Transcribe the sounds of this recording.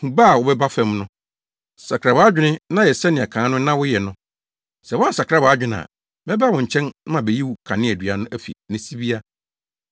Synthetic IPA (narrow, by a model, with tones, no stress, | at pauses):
hũ˨ba˦˨wʊ˨bɛ˦ba˦fɛ̃˨mnʊ̃˦ | sa˨kʰɾa˨wa˨˦a˦d͡ʑᶣɪ˦nɪ̃˦nã˦jɛ˨sɛ˦nɪ̃˨ɛ˨kʰãː˨˦nʊ̃˦nã˦wʊ˦jɛ˨nʊ̃˦ | sɛ˨wɔ̃˦n˨sa˨kʰɾa˦ba˨a˦d͡ʑᶣɪ˦nã̰˨ | mɛ˦ba˦wʊ̃˨ɲ̩˨t͡ɕʰɛ̃˦n˦mã˨bɛ˨ji˦wʊ˨kʰã˨nɪ̃˦æ˨dɥa˨nʊ̃˦ʔæ˦fḭ˨nɪ̃˨si˦bi˦a˦